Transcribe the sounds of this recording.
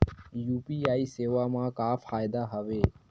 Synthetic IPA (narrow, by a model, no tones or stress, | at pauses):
juːpiːaːiːseːʋaːmãːkaːfʰaːɪd̪aːɦəʋeː